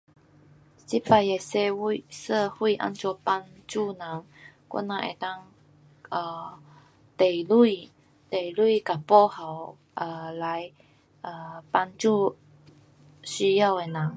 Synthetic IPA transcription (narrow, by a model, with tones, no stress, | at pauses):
si˥˩fa˧˩jɛ˨˩se˥˧˥sə˥˧hwi˥˧˨ʔa̰˥˧nt͡swɔ˧˥˧pa˧˥nt͡su˥˧na˨˦ŋ | kɔ̰˥˨na˧˥ʔḛ˨˩t̪a˥˧ŋ | ʔə˨˩ | t̪e˨˩lu˥˩ | t̪e˨˩jlwu˥˩ka˨˩pɔ˥˧˨ha˨˩w | ʔə˨˩la˨˦j | ʔə˨˩pa˧˥nt͡su˥˧ | ɕy˥ja˥˧˨we˨˩na˨˦ŋ